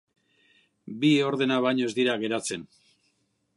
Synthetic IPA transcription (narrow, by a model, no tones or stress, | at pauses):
bio̞ɾðe̞naβajɲoe̞zd̪iɾaɣ̞e̞ɾat͡se̞n